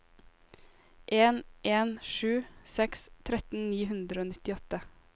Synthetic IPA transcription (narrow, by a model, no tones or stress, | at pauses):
ʔeːnʔeːnʃʉːsɛkst̪ʰɾɛt̪n̩niːhʉnd̪ɾəoːnɪt̪ɪɔt̪ə